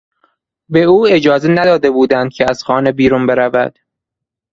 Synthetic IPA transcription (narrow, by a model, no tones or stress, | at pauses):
beuːe̞d͡ʒɒːzenæd̪ɒːd̪ebuːd̪ænd̪̥̚cʰeæz̥xɒːnebiːɾunbe̞ɾævæ̰d̪̥